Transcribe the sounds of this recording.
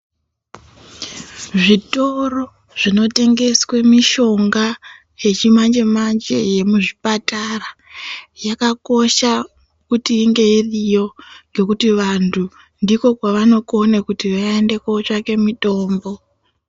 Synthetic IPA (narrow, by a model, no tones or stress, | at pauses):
ʐito̞ro | ʐ̥ino̞te̞ŋɡe̞swemiʃo̞ŋɡa | je̞t͡ʃimand͡ʒe̞mand͡ʒe̞̰je̞muʐipatarajakako̞ʃa | kutiːŋɡe̞irijo̞ŋɡe̞kutiʋantʰu | ndiko̞kwaʋano̞ko̞nekutiʋaende̞koot͡ʂake̞mito̞ːmbo̞